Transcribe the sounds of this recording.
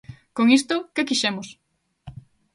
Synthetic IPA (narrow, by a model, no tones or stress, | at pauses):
koŋist̪ʊkekiʃɛmos